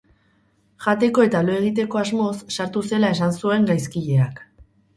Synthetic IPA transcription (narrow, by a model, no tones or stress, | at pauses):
ʝat̪e̞ko̞e̞t̪alo̞e̞ɣ̞it̪e̞ko̞azmo̞sːaɾt̪use̞lae̞sansue̞ŋɡajskiʎe̞ak